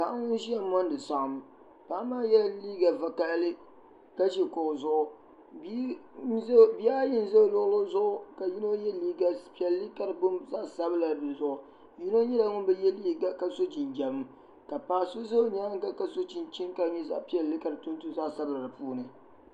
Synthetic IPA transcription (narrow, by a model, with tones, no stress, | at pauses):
ka˨˦ŋʊ˦n˦ʒi˦ja˨˦mɔ˦n˦dɨ˨sa˨ʔm˨ | paː˦maː˦jɛ˦lliː˦ɡa˨va˨ka˦ʔlɨ˦ | ka˦ʃi˨kʊ˨zʊ˦ʔʊ˦ | b | bi˦a˦jɪ˦n˦zo˦˨lʊ˦ʔlo˦zʊ˦ʔʊ˦ka˨ji˦no˦jɛ˦liː˦ɡa˨pi˦ɛ˨lːi˦ka˦ɾɨ˨bʊ˦mza˦˨sa˦bɨ˦la˨dɨ˨zʊ˦ʔʊ˨ | ji˦no˦ɲɛ˦la˦ŋʊ˦nbɛ˦jɛ˦li˦ɡa˨ka˨so˦d͡ʒi˨nd͡ʒɛ˨bɨ˦m | ka˨paː˦so˦zo˦ɲa˦ŋ˦ka˦ka˦so˦t͡ʃi˨nt͡ʃi˦nka˨˦ɲɛ˦za̰˦ʔpi˦ɛ˨llɨ˦ka˨ɾɨ˨tʊ˦ntu˦za˦˨sa˦bɨ˦la˨dɨ˨puː˦nɨ˨